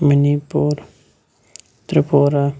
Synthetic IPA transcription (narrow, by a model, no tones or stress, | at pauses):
mənipuːɾ | t̪ɾɪpoːɾa